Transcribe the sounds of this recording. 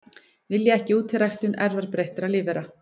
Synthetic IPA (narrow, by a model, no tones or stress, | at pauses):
vɪljaɛhcɪuːt̪ʰɪrajxt̪ʏnɛɾðɛɾpɾejht̪ɪɾalɪːvɛɾa